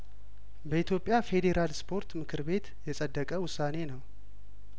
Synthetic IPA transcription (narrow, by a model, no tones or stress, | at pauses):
bəit̪ʰjo̞pʼjafe̞d̪e̞ɾalspʰo̞ɾt̪mɨkʰɨɾbe̞t̪jɛsʼəd̪ːəkʼəwʊsːane̞nəw